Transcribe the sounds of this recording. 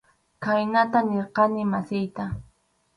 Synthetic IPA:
kajnat̪aneɾqɑnɪmasɪjt̪a

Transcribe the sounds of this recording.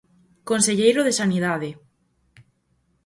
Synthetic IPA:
konseʎejɾoðesanið̞aðe

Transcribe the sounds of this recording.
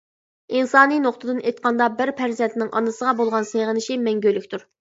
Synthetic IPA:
insɑːninoχt̪ʰɨd̪ɨnejt̪̚qʰɑnd̪ɑbɪɾpʰæɾzɛnt̪nɪŋʔɑ̰nɨsəʁɑbolˠʁɑnseʁənɪʃimɛŋɡʲølːykʲt̪ʰuɾ

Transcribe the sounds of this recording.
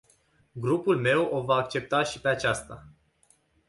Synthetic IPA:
ɡɾupulme̞wo̞vaːkt͡ʃe̞p̚t̪aʃipe̞at͡ʃast̪a

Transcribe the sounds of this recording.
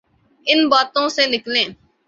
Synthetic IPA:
ɪnbaːt̪õːseːnɪklẽː

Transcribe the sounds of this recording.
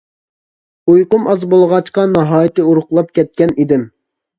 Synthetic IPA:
ujqʊmɑzbolˠʁɑt͡ʃqɑnɑɦɑːjɪt̪ɨuɾʊχlˠɑp̚kʲɛt̪̚kʲɛnid̪ɪm

